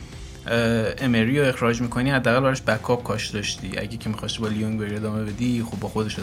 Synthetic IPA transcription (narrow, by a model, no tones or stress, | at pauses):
ʔemeɾijoe̞xɾɒːd͡ʒmiːkʰo̞niːhæd̪ːææɣælbæɾɔʃbækʰːɒːb̥̚kʰɒːʃd̪ɒʃt̪ḭːʔæ̰ɟecʰemixɒst̪ibɒːlijoŋveɾie̞d̪ɒːme̞be̞d̪ixobːɒːxo̞d̪eʃe